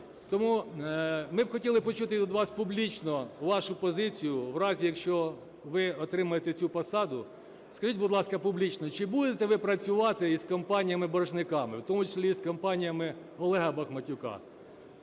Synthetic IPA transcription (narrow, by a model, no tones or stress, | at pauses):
t̪ɔmu | mɪbxɔtʲilˠɪpɔt͡ʃut̪ɪt̪ɔd̪ʋɑspublʲit͡ʃnɔʋɑʃʊpɔzɪt͡sʲijʊʋɾɑzʲijɐkʃt͡ʃɔ | ʋɪɔt̪ɾɪmɐjet̪ɛt͡sʲupɐsɑd̪ʊ | skɐʒitʲbʊd̪lˠɑskɐpublʲit͡ʃnɔt͡ʃɪbud̪et̪ɛʋɪpɾɐt͡sʲʊʋɑt̪ɪiskɔmpɑnʲijɐmɪbɐrʒnɪkɑmɪwt̪ɔmʊt͡ʃɐ̥slʲiskɔmpɑnʲijɐmɪ | ɔlˠɛɦɐbɐxmɐtʲʊkɑ̰